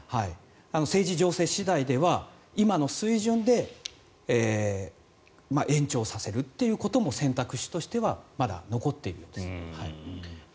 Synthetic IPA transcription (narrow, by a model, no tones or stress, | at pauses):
hai | ano̞se̞ːʑiʑo̞ːse̞ɕid̪aid̪e̞βa | imano̞sɨiʑɨ̃nd̪e̞ | eː | maʔẽ̞ɲ̟t͡ɕo̞ːsase̞ɾɯ̟t̪ːe̞jɯ̟ːko̞t̪o̞mo̞sẽ̞nt̪akɯ̟ɕi̥t̪o̞ɕi̥t̪e̞βamad̪a̰no̞ko̞t̪ːe̞iɾɯ̟jo̞ːd̪e̞shai